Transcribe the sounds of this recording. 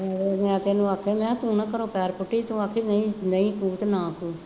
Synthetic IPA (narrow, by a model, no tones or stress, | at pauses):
eemɛ̃ːt̪eːnũːaːkʰːeːmɛ̃ːt̪ũːnãːkəɾõːpɛːɾpʊʈːiːt̪ũːakʰiːnəĩːnəĩːkuːt̪nãːkuː